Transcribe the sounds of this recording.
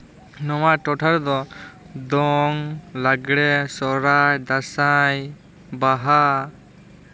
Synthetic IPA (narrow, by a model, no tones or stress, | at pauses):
nɔwaʔʈɔʈʰaɾd̪ɔ | d̪ɔŋlaɡɽɛsɔɾajd̪asaj | baɦa